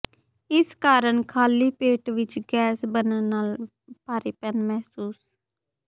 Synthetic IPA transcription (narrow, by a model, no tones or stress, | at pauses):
ɪskaːɾəɳkʰaːliːpeːʈʋɪt͡ʃɡɛːsbənənaːl | paːɾiːpɛnmɛɦsuːs